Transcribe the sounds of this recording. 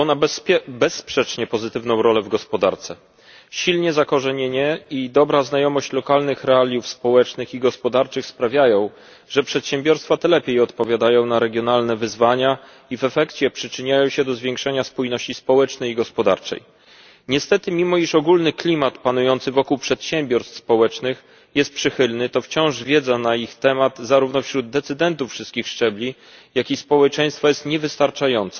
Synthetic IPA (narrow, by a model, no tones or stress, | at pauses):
ɔnabɛsːpʂɛt͡ʂɲɛpɔzɘt̪ɘvnɔ̃w̃ɾɔlɛvɡɔspɔd̪aɾt̪sɛ | ɕilɲɛzakɔʐɛɲeɲɛid̪ɔbɾaznajɔmɔɕt͡ɕlɔkalnɘxɾɛalʲjufspɔwɛt͡ʂnɘxiɡɔspɔd̪aɾt͡ʂɘxspɾavʲjajɔ̃w̃ | ʐ̥ɛpʂɛt̪ɕɛmbʲjɔɾst̪fat̪ɛlɛpʲjejɔt̪pɔvʲjad̪ajɔ̃w̃naɾɛɡʲjɔnalnɛvɘzvaɲa | ivɛfɛkt͡ɕɛpʂɘt͡ʂɘɲajɔ̃w̃ɕɛd̪ɔzvʲjɛ̃ŋkʂɛɲaspujnɔɕt͡ɕispɔwɛt͡ʂnɛjiɡɔspɔd̪a̰ɾt͡ʂɛ̰j | ɲɛst̪ɛt̪ɘmʲimɔiʂɔɡulnɘklʲimat̪panujɔnt̪sɘvɔkuwpʂɛt̪ɕɛmbʲjɔɾst̪fspɔwɛt͡ʂnɘx | jɛst̪̚pʂɘxɘlnɘt̪ɔft͡ɕɔ̃w̃ʐvʲjɛd̪zanaixt̪ɛmad̪zaɾuvnɔfɕɾud̪d̪ɛt̪sɘd̪ɛnt̪ufːʂɘst̪kʲixʂt͡ʂɛblʲi | jakʲispɔwɛt͡ʂɛ̃j̃st̪fɔjɛst̪ɲɛvɘst̪aɾt͡ʂajɔnt̪sɛ